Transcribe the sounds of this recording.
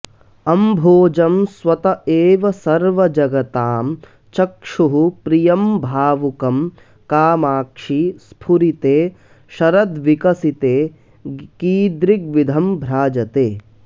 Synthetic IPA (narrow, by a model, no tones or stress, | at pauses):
ɐmbʱoːd͡ʒɐmsʋɐt̪ɐeːʋɐsɐɾʋɐd͡ʒɐɡɐt̪aːm | t͡ʃɐkʂuɦupɾijɐmbʱaːʋukɐm | kaːmaːkʂispʰuɾit̪eː | ʃɐɾɐd̪ʋikɐsit̪eː | kiːd̪ɾik̚ʋid̪ʱɐmbʱɾaːd͡ʒɐt̪eː